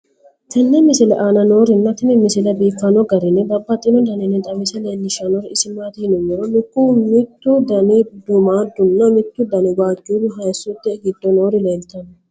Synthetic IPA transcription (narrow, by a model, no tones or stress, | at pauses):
t̪ʰɐnːɛmɪsɪlɛʔaːnɐno̞ːɾɪnːɐt̪ɪnɛmɪsɪlɛbeːfːɐnɔɡɐɾɪnːɛbɐbːɐt̪ʼɪnɔd̪ɐnɛnɛt̪ʼɐmɪsɛlenːɪʃɐnɔɾɪsɪmaːt̪ɪhnʊnːɛɾɔnɪkːumɪt̪ːʊd̪ɐnɪd̪ʊmaːd̪ːʊnːɐmɪt̪ːʊd̪ɐnɪwaːɡʼid̪ʊɦɐjsːʊt̪ːɪɡɪd̪ːɔno̞ːɾɪleːlt̪ɐn